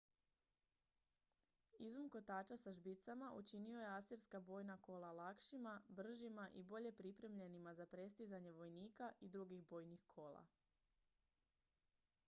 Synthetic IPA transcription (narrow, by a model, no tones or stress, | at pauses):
izumko̞t̪aːt͡ʃasaʒbit̪samaʔut͡ʃinio̞jeasiɾskabo̞jnako̞lalakʃimabr̩ʒimaʔibo̞ʎe̞pɾipɾe̞mʎe̞nimazapɾe̞st̪izaɲe̞ʋo̞jniːkaʔid̪ɾuɡiɣbo̞ːjnixkʰo̞ːlˠa̰